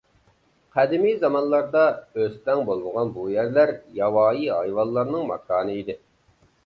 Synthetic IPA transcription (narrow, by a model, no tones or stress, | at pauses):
qʰæd̪ɪmijzɑmɑnlˠɑɾd̪ɑøst̪ɛŋbolˠməʁɑnbujæɾlæɾjɑwɑːjiɑjwɑlˠːɑɾnɨŋmɑ̰kʰɑːnɨid̪ɪ